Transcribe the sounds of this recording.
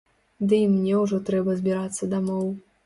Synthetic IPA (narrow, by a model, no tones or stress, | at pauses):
d̪ɨimnʲɛwʐɔt̪ɾɛbɐzʲbʲiɾat̪sːɐd̪amɔw